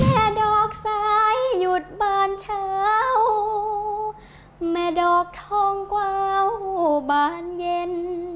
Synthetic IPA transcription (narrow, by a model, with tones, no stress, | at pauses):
mɛː˧˩dɔː˨˩k̚saː˧˦jːu˨˩t̪̚baː˧˩nt͡ɕʰaː˧˦w | mɛː˧˩dɔː˨˩k̚t̪ʰɔː˧ŋkwaː˧wbaː˨˩nje˧n